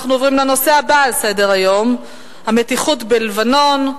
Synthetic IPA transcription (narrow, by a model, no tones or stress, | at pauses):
χnuovʁimle̞no̞seabaːlse̞de̞ʁajo̞m | hame̞tiχutbelvano̞n